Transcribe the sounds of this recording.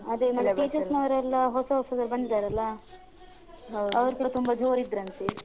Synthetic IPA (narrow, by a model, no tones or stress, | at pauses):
ɐd̪emɐnɐʈit͡ʃɐsnɐʋɐɾɐlːɐɦɔsɐɦɔsɐd̪ɐɾbɐnd̪id̪aːɾɐlːɐ | ɦwd̪ɐʋɐɾkɐt̪umbɐd͡ʒoːɾid̪ɾɐnt̪e